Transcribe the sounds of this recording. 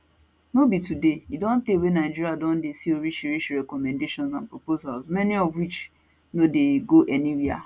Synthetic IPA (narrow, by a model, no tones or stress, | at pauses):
nobitudeidɔ̃n̩deewenaɪd͡ʒiɾiadɔ̃n̩desioɾiʃiɾiʃɾɛkɔmɛ̃ndeʃɔ̃nzãnpɾopozalzmɛniɔvwit͡ʃ | nodeɡoʔɛniɾia̰